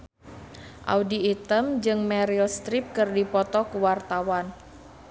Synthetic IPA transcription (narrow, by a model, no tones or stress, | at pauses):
ʔa̰udiːt̪əmd͡ʒɨŋmɛɾilst̪ɾip̚kɨrdipɔt̪ɔkuwart̪awan